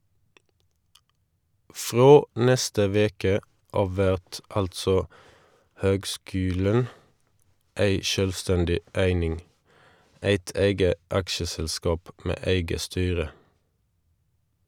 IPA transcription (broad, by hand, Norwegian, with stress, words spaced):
ˈfʁoː ˈnɛstə ˈʋeːkə ˈɑːʋ ˈʋæʁt ˈɑltsɔ ˈhøːɡˌskʉːlən ˈæɪ ˈʃœlˌstɛndɪ ˈæɪnɪŋ ˈæɪt ˈæɪɡə ˈɑkʃəsɛlˌskɑːp ˈmeː ˈæɪɡə ˈstyːʁə